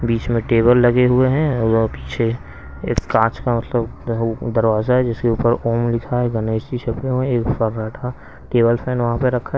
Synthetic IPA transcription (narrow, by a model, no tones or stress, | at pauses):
biːt͡ʃmẽʈeːbəlːɐɡeɦʊeɦɛ̃pi̥ːt͡ʃʰe | eːkːãːt͡ʃkamɐt̪ləbd̪ɐɾʋaːzaɦɛd͡ʒɪskeuːpəɾoːmlɪkʰaɦɛɡɐneːst̪iʃɐpeɦoẽeːkfəɾaːʈʰa | ʈeːbəlpʰɛ̃ːnʋɐɦãpəɾɐkʰa